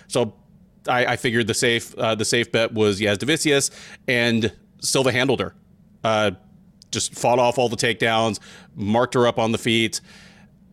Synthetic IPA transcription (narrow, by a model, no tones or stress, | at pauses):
soʊ | aɪʔaɪfɪɡjə˞d̪̚ðɨseɪfʌðɨseɪfb̥ɛʔ̚wʌzjæzdɨvɪsiɨsɨ̃n | stɪlʊðɨɦæ̃ndˡl̩ˠdə̰˞ | ʌ | d̥ʒ̥ʌstfɔɾɔfɔlˠðətʰeɪk̚d̥ãʊ̃nz̥mɑɹk̚t̚ə˞ʌpn̩ðəfit